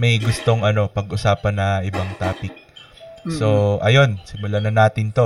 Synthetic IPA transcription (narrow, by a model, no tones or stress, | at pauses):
mɐjɡʊst̪o̞ŋʔɐno̞pɐɡʔʊsaːpɐnːɐʔɪbaŋt̪aːpɪk̚ | so̞ʔɐjo̞nsɪmʊlanɐnaːt̪ɪnt̪o̞